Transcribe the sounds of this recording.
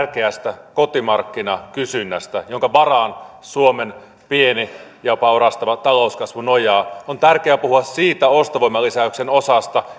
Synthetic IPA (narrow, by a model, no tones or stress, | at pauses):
rkeæst̪ækot̪imɑrkːinɑkysynːæst̪æjoŋkɑʋɑrɑnsuomen | pienijɑpɑorɑst̪ɑʋɑt̪ɑlo̞uskɑsʋunojɑont̪ærkeæpuhuɑssiːt̪æost̪ɑʋoimɑlisæyksenosɑst̪ɑ